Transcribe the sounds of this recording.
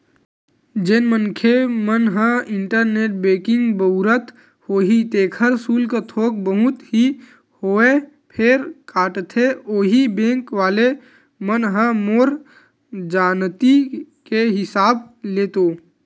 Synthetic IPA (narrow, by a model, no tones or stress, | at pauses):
d͡ʒenmənkʰemənɦə̃ɪ̃ɳʈəɾneːʈ̚beːkɪ̃ŋɡbəʊɾət̪ | hoːɦit̪eːkʰəɾsuːlkat̪ʰoːk̚bəɦʊt̪ɦi | hoːe | pʰɪɾkaːʈt̪ʰeoːɦibẽːŋkʋaːle | mənɦə̃moːɾ | d͡ʒaːnt̪ikeɦɪsaːbleːt̪oː